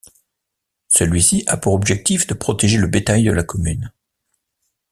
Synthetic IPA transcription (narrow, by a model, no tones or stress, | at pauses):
səlɥisiʔapuʁɔbʒɛk̚t̪ifd̪əpχɔt̪eʒeləbet̪ajd̪əlakɔmyn